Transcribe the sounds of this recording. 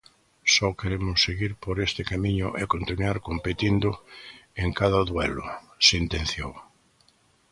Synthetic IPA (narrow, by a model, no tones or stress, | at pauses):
sɔkeɾemʊsːeɣiɾpoɾest̪ɪkamĩɲʊʔekont̪inwaɾkompet̪ind̪ʊeŋkaðɐðwɛlʊ | sint̪ẽn̟θjow